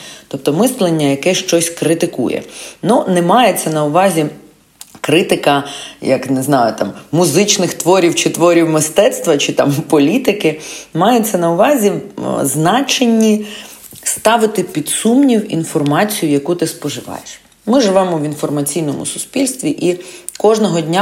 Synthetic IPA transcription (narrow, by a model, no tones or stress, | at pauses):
t̪ɔp̚t̪ɔmɪslˠenʲːɐjɐkɛʃt͡ʃɔsʲkɾɪt̪ɪkṵjɛ̰nunɛmɑjet͡sʲːɐnɐʊʋɑzʲi | kɾɪt̪ɪkɐjɐ̰knɛznɑjʊt̪ɑmːʊzɪt͡ʃnɪxt̪ʋɔɾʲiwt͡ʃɪt̪ʋɔɾʲiwmɪst̪ɛt̪st̪ʋɐt͡ʃɪt̪ɑ̰mpɔlʲit̪ɪkɪmɑjɛt͡sʲːɐnɐʊʋɑzʲiznɑt͡ʃenʲːi | st̪ɑʋɪt̪ɪpʲid̪sumnʲiwḭnfɔrmɑt͡sʲijʊjɐkut̪ɪspɔʒɪʋɑ̰jeʃ | mɪʒɪʋɛmɔʋinfɔrmɐt͡sʲijnɔmʊ̰sʊ̥spʲilʲst̪ʋʲiʔikɔʒnɔɦɔdʲnʲa